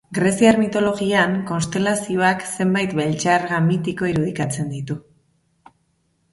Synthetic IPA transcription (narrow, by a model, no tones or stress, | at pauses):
ɡɾesiaɾmit̪o̞lo̞ɣiaŋko̞nst̪e̞lasio̞akse̞mbajt̪βe̞lt͡ʃaɾɣamit̪iko̞iɾuð̞ikat͡se̞nd̪it̪u